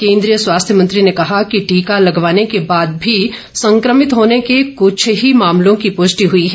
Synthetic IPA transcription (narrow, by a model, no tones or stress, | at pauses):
kẽːnd̪ɾijəswaːst̪ʰjəmɐ̃nt̪ɾinekɐɦakiʈiːkalɐɡʋaːnekebaːd̪̚bʱi | sɐ̃ŋkɾəmɪt̪ɦoːnekekʊt͡ʃʰɦimaːmlõkipʊʃʈiɦʊiɦɛː